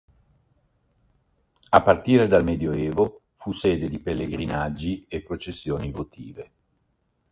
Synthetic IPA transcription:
apːart̪iːɾed̪almed̪joeːvo | fuseːd̪ed̪ipelːeɡɾinad͡ʒːiepːɾot͡ʃesːjoːnivot̪ʰiːve

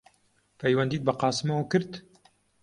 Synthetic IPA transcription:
pʰɐjwɐnd̪iːt̪̚bɐqɑːsɨmɐwkɨɾt̪

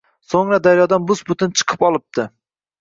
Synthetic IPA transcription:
soŋɾad̪aɾjɒd̪anbʊzbʊt̪ʰɪnt͡ʃʰɨ̥qʰɨpɒlˠɪp̚t̪ɪ

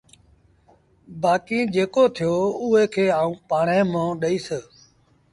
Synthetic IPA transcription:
baːkĩːd͡ʒeːkoːt̪ʰɪjoːuːeːkʰeːaːũːpaːɳẽːmãːɗəiːsəː

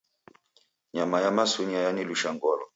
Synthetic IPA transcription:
ɲamajamasuɲajaniluʃaŋɡɔlɔ

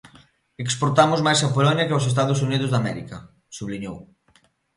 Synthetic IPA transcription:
ekspoɾt̪amʊzmajsapolɔɲjɐkeaws̬est̪aðos̬uniðʊzðamɛɾikɐ | suβliɲow

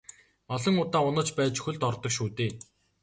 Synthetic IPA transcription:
ɔɮɞ̆ŋʊt̪aːʊnə̆t͡ɕpæːt͡ɕɵ̥xɵ̆ɮt̪ɔrt̪ɞ̆kʃuːt̪eː

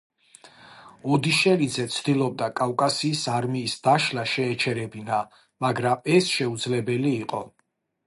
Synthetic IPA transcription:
ɔd̪iʃɛlid̪zɛt̪sʰd̪̥ilˠɔb̚d̪akʼavkʼasiːsaɾmiːsd̪̥aʃlaʃɛːt͡ʃʰɛɾɛbina | maɡɾamɛsʃɛud̪zlɛbɛliːqʼɔ

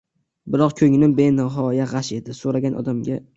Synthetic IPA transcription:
bɪɾɒqkʲʰɵŋnɪbenɪɦɒjaʁɑʃe̞d̪ɪsoɾaɡʲanʔɒ̰d̪amɡʲa

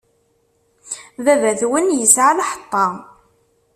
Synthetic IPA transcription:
vævæðwənjəsʕalaħə̥t̪ˤːɑ

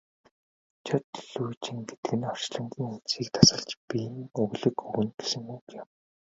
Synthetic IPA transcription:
t͡ɕʰɔt̪ɮujt͡ɕɪ̆ŋɡet̪ɘ̥̆ɘ̆nɔr̥t͡ɕɮə̆ŋɡiːŋunt͡siːk̚t̪ʰḁsə̆ɮt͡ɕpijnɵɣɮɘ̆kɵɣɵ̆nɡe̥sɘ̆ŋukjam

